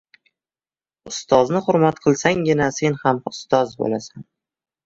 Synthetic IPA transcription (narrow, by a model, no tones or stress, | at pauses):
ʊst̪ɒznɪχʊɾmat̪qʰɨlˠsaŋɡʲɪnase̞nhamʊst̪ɒzbo̰lasan